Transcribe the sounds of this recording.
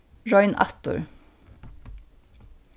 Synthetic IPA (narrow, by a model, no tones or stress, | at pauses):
ɹɔʏnʔɑ̰t̪ʊ̰ɹ